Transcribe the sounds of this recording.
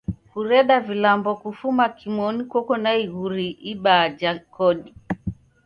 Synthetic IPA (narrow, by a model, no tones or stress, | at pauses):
kuɾɛɗavilambɔkufumakimɔnikwɔkɔnaiɣuɾiʔiɓad͡ʒakɔɗi